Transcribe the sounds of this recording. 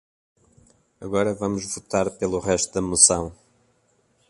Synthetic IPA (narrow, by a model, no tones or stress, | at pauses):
ɐɣɔɾɐvɐmʊʒvut̪aɾpelˠuʁɛʃt̪uðɐmusɐ̃w̃